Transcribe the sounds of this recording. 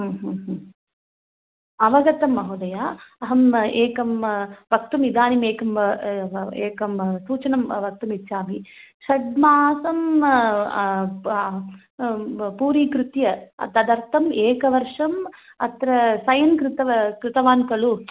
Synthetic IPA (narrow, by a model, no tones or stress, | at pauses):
ɦːɦɦ | ɐʋɐɡɐt̪ɐmːɐɦud̪ɐjaːɐɦɐmeːkɐmʋɐk̚t̪umid̪aːnimeːkɐm | eːkɐmsuːt͡ʃɐnɐmʋɐk̚t̪umit̪ːʃaːmi | ʃɐɖmaːsɐm | puːɾiːkɾut̪jɐɐ̰t̪ɐd̪ɐɾt̪ʰɐmeːkɐʋɐɾʂɐm | ɐ̰t̪ɾɐsɐjɐnkɾɪt̪ɐɐkɾɪt̪ɐʋaːnkɐɭu